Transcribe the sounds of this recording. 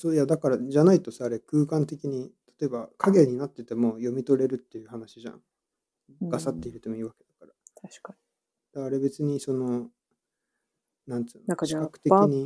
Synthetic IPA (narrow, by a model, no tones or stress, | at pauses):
so̞ːjad̪akaɾaʑanait̪o̞saːɾe̞kɯ̟ːkãnt̪e̞kʲiɲ̟it̪ḁt̪o̞e̞bakʰaɡe̞ɲ̟ːinat̪ːe̞t̪e̞mo̞ːjo̞mʲit̪o̞ɾe̞ɾɯ̟t̪ːe̞jɯ̟ːhanaɕiʑã̰ŋ | ɡ̥asat̪ːe̞iɾɯt̪omoiːβake̞d̪akaɾaaɕk | d̪̥aːɾe̞be̞t͡sɨɲ̟iso̞no̞ | nãnt̪ɨːnkɕikakɯ̟t̪e̞kʲiɲ̟i